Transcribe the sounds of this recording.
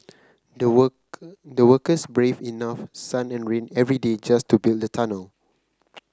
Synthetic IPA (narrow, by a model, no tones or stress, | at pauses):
dəwəkəsbɹevinafsãnɛ̃nɹẽnɛvɹided͡ʒastubilˠdətʰanəl